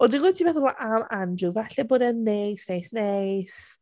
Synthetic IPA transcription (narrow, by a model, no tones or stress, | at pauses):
ɔdinɡwɛtʰivɛθɔlˠaʔamandruvaɬɛboːdɛnːejsnejsnejs